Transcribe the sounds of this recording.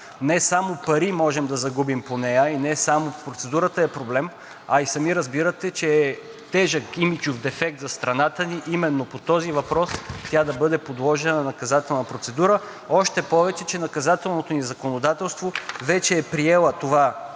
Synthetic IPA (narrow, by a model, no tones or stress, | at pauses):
nɛsamopɐɾimɔʒɛmd̪ɐzɐɡubimponɛjəinɛsamopɾot̪sɛd̪uɾət̪əɛpɾoblɛm | ɐisɐmiɾɐzbiɾət̪ɛt͡ʃɛː | t̪ɛʒəkɡimit͡ʃofd̪ɛfɛk̚t̪zɐst̪ɾɐnat̪əniʔimɛnːopot̪ɔzivɐpɾɔst̪jad̪ɐbɤd̪ɛpod̪lˠɔʒɛnɐnɐnɐkɐzat̪ɛlˠnɐpɾot̪sɛd̪uɾə | ɔʃt̪ɛpɔvɛt͡ʃɛt͡ʃɛnɐkɐzat̪ɛlˠnot̪onizɐkonod̪at̪ɛlˠst̪vovɛt͡ʃɛːpɾiɛlˠət̪ova